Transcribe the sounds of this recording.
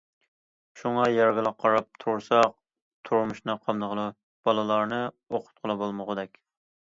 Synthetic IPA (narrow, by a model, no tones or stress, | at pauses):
ʃuŋɑjɑɾɡʲɪlˠɑq̚qʰːɑɾɑp̚t̪ʰuɾsɑq̚ | t̪ʰuɾmuʃnɨqʰɑmd̪əʁəlˠɨ | b̥ɑlˠɨlˠɑɾnɨ | oqʰʊ̥t̪̚qʰəlˠɨbolˠməʁəd̪ɛkʲ